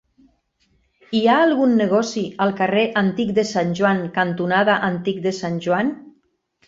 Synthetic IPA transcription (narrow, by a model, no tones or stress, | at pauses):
iaːlˠɣunːəɣ̞ɔsialˠkareʔant̪ik̚d̪əsanʲʒuaŋkant̪unaðaʔant̪ik̚d̪əsanʲʒwan